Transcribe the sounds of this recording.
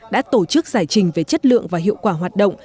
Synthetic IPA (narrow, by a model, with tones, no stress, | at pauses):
ɗa̰ː˧˥t̪o˧˩t͡ɕɨ˦˥k̚zaː˧˩jt͡ɕï˨˩ŋ̟ve˨˩t͡ɕə˦˥t̚lɨ̰˧˨əŋvaː˨˩ɦḭ˧˨əwkwaː˧˩ɦwaː˨˩t̚ɗə̰˧˨wŋ͡m